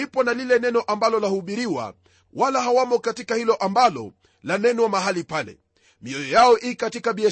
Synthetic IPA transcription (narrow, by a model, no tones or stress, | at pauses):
ipɔnalilɛnɛnɔʔambalɔlahuɓiɾiwa̰ | walaɦawamɔkatikahilɔʔambalɔ̰ | lanɛnɔwamaɦalipalɛ̰ | miɔjɔjaɔʔikatikaɓiɛ